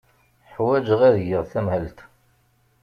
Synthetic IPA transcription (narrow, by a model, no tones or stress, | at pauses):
ħwæd͡ʒʁæðjəʁθæmhəlt̪